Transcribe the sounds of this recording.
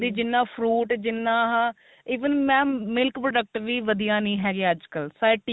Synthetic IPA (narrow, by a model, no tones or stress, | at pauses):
d̪iːd͡ʒɪnːãːpʰɾuːʈd͡ʒɪnːãːɦ | iːʋənmɛ̃ːmɪlkpɾoːɖək̚ʈʋiːʋəd̪ijãːnĩːɦɛːɡeːəd͡ʒkəlsaːʈː